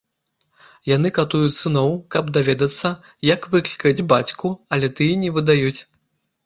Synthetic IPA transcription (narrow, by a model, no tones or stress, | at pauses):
jan̪ɨkat̪ujut͡sʲsɨnɔwkɐbd̪avʲɛd̪ɐt̪sːɐ | jɐkvɨklʲikɐd͡zʲbat͡sʲkuɐlʲɛt̪ɨjɛnʲɛvɨd̪ajut͡sʲ